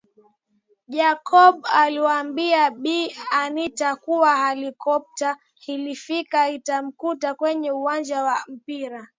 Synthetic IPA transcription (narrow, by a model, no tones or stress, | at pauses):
ʄakʰɔɓaliwaːmbiaɓianitakuwahɛlikɔp̚ta | hilifikaitam̩kutakwɛɲɛuwand͡ʒawam̩piɾa